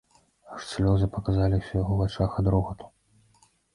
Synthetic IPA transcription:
ʂsʲlʲɔzɨpɐkazalʲiwsʲɛjɔvat͡ʂaxad̪ɾɔɣɐt̪u̥

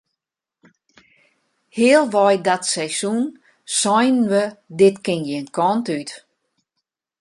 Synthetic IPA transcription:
hɪːəlˠʋɔjdatsɛjsun | sɔjnnʋədɪtkɪnjinkʰɔntyt

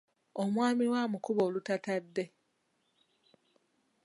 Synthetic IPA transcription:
omwaːmiɾwaːmukuβoːlutatadːe̞

